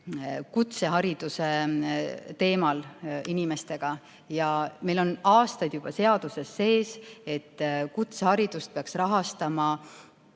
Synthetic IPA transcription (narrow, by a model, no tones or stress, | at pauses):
kut̪se̞ɦɑɾid̪̥use̞ | t̪e̞ːmɑlinime̞st̪e̞ɡ̥ɑ | jɑme̞jlo̞nɑːst̪ɑjd̪̥jub̥ɑse̞ɑd̪̥use̞sːe̞ːse̞t̪ːkut̪sehɑɾid̪̥ust̪̚peɑksrɑɦɑst̪ɑmɑ